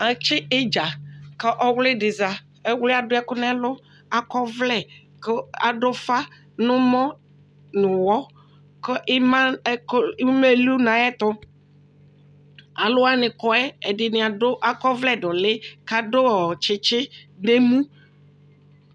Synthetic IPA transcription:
a˨t͡ʃɪ˦e˦d͡ʒa˨ke˦ʔɔ˦wlɪ˦ɖɪ˨za˨ | e˦wle˦a˨dʊ˦ɛ˦kʊ˦nɛ̃˦a˦lʊ˦ | a˨kɔ˦vlɛ˨ | ka˨ɖo˦fa˦ | nʊ̃˦mɔ̃˦ | nʊ̃˨wɔ˦ | kə˦ʔɪ˦mã˦kme˦lu˦nã˨ɛ˦t̪ʊ˦ | a˨lʊ˦a˦nɪ̃˨kɔ˦ɛ˦e˨dɪ˨nɪ̃˨a˨dʊ˦ʔa˨kɔ˦vlɛ˦˨ɖʊ˨lɪ˦ka˨do˦˨t͡ʃɪ˨t͡ʃɪ˦ɖe˦mũ˦

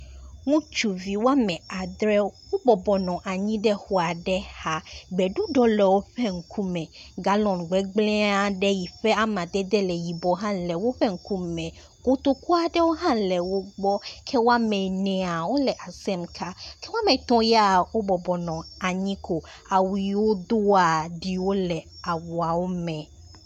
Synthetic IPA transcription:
ŋũ˦t͡ʃu˨vi˨wo˦a˦mɛ̃˨a˨d̪ɾɛ˦wo˦bɔ˨bɔ˨nɔ̃˨ʔa˨ɲĩ˦ɖɛ˦xo˨a˨ɖɛ˦ha˦ɡ͡bɛ˨ɖu˦ɖɔ˦lɛ˨wo˦ɸɛ˦ŋ̩˨˦kʰu˦mɛ̃˨ɡa˨lɔ̃˨nɡ͡bɛ˨ɡ͡blɛ̃˦a˨ɖɛ˦ji˨ɸɛ˦a˦mã˨d̪ɛ˦d̪ɛ˦lɛ˨ji˨bɔ˨ɦã˦lɛ˨wo˦ɸɛ˦ŋ̩˦ku˦mɛ̃˨ | ko˦t̪o˦ku˦a˨ɖɛ˦wo˦ɦã˦lɛ˨wo˦ɡ͡bɔ˦kʰɛ˦wo˦a˦mɛ̃˨nɛ̃˨a˨wo˦lɛ˨ʔa˨sɛ˦mkʰa˦kɛ˦wo˦a˦mɛ̃˨t̪ɔ̃˦ja˦wo˦bɔ˨bɔ˨nɔ̃˨a˨ɲĩ˦ko˨ | a˨wi˨wo˦d̪o˦a˨ɖi˦wo˦lɛ˨a˨wɔ˨a˨wo˦mɛ̃˨

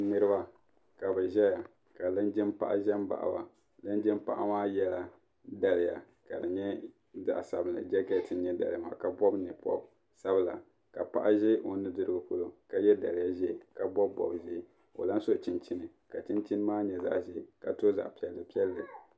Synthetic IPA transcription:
nɨ˦ɾɨ˦ba˦ | ka˨bɛ˨ʒɛ˦ja˨ | ka˨lɨ˦nd͡ʒɪ˦mpa̰˦ʔa̰˦ʒɛ˦mba̰˨ʔa̰˨ba˨ | lɨ˦nd͡ʒɪ˦mpa˦ʔa˦maː˦jɛ˦la˦ | da˨lɪ˨ja̰˨ | ka˨dɨ˨ɲɛ˦ | za̰˨ʔsa˨bɨ˨lɨ̰˨d͡ʒɛ˦ɡɛ˦tɨ˨ɲɛ˦da̰˨lma̰˨ka˨bɔ˦bnɨ˨pɔ̰˦b | sa˦bɨ˦˨la̰˨ | ka˨pa̰˦ʔa˦ʒɛ˦ʔo˨nɨ˦dɨ˦ɾɨ˦ɡɨ˨ku˦lo˦ka˦jɛ˦da˨lɪ˨ja˦ʒɛ˦˨ka˨bɔ˦bbɔ̰˨bʒe˦˨ | o̰˨la˦n˦so˦t͡ʃɪ˦nt͡ʃi˦nɨ˨ | ka˨t͡ʃi˦nt͡ʃi˦nɨ˦maː˦ɲɛ˨za̰˦ʔʒɛ˦˨ka˨to˦za̰˨ʔpi˨ɛ˨lːɨ˨pi˦ɛ˦lːɨ˨

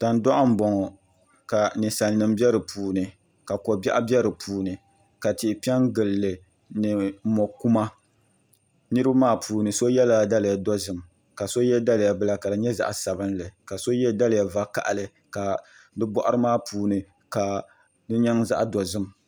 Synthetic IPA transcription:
ta˨n˦dɔ˦ʔʊ˦m̩˦bɔ˨ŋ˨ | ka˨nɨ˨sa˨n˨nɨ˨m˦bɛ˦ɾɨ˨pʰuː˨nɨ˨ | ka˨kɔ˨bɛ˦ʔa˦bɛ˦ɾɨ˨pʰuː˨nɨ˨ | ka˨ti˨pi˦ɛ˦ŋɡɨ˨lːɨ˨ | nɨ˨˦mɔ˨ku˦ma˦ | nɨ˦ɾɨ˦bmaː˦˨pʰuː˨nɨ˨so˦jɛ˦la˨da˦lɪ˨ja˨dɔ˦zɨ˨m | ka˨so˦jɛ˦da˦lja˨bɨ˦la˨ka˨dɨ˨ɲɛ˦za̰˨ʔa˨sa˨bɨ˦nlɨ˨ka˨so˦jɛ˦da˦lɪ˨ja˨va˦ka̰˨ʔlɨ˨ | ka˨ | bɨ˦bɔ˦ʔʊ˦ɾɨ˦maː˦˨pʰuː˨nɨ˨ | ka˨ | dɨ˦ɲɛ˦ŋza̰˦ʔdɔ˨zɨ˦m˨

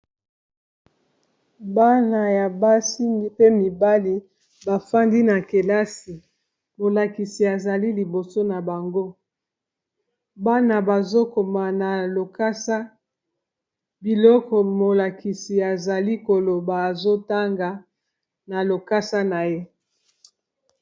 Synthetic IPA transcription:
ba˦na˨ja˨ba˦si˦mi˦pe˦mi˨ba˦li˨˦ | ba˨fa˦ndi˦na˨ke˨la˦si˨ | mo˨la˨ki˨si˨a˨za˨li˦li˨bo˨so˦na˨ba˨ŋɡo˦ | ba˦na˨ba˨zo˦ko˨ma˨na˨lo˨ka˦sa˦ | bi˨lɔ˦kɔ˨mo˨la˨ki˨si˨a˨za˨li˦ko˨lo˨baː˨zo˦ta˦ŋɡa˨ | na˨lo˨ka˦sa˦na˨je˦

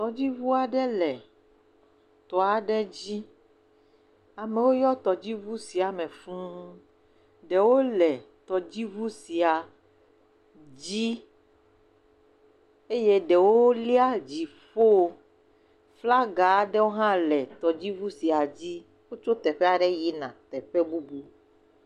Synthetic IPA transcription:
t̪ɔ˨d͡ʑi˦vu˦a˨ɖɛ˦lɛ˨ | t̪ɔ˨a˨ɖɛ˦d͡ʑi˦ | a˨me˨wo˦jɔ˦t̪ɔ˨d͡ʑi˦vu˦si˨a˨mɛ̃˨fũ˦ | ɖɛ˨wo˦lɛ˨t̪ɔ˨d͡ʑi˦vu˦si˨a˨ | d͡ʑi˦ | e˦je˦ɖɛ˨wo˦li˦a˦d͡ʑi˨ | fo˦ | fla˦ɡa˨˦ɖɛ˦wo˦ɦã˦lɛ˨t̪ɔ˨d͡ʑi˦vu˦si˨a˨d͡ʑi˦ | wo˦t͡ʃo˦t̪ɛ˨ɸɛ˦a˨ɖɛ˦ji˦nã˨t̪ɛ˨ɸɛ˦bu˦bu˦

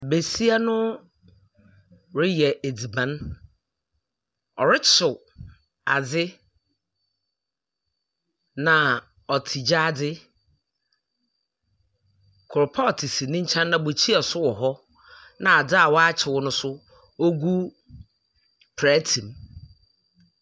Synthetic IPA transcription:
be˨si˦a˦nʊ̃˦˨ | ɾɪ˦jɛ˨ʔe˨di˨bã˨˦n | ɔ˨ɾɪ˦t͡ɕʰɪ˨ | a˨d͡zɪ˦ | nã˨ | ɔ˨tʰi˨d͡ʑaː˦dɪ˦ | kʰʊ˨ɾʊ˨pʰa˦ɔ˨tʰi˨si˨nɪ̃˦ɲ̩˦t͡ɕʰã˦nːã˨bo˨t͡ɕʰi˦a˨sʊ˦wɔ˨ɦɔ˦ | nã˨a˨da˦a˨wɔ˦a˦t͡ɕʰɪ˨wʊ˦nʊ̃˦sʊ˦ | o˦ɡu˦ | pʰɛ˦tʰĩ˨m

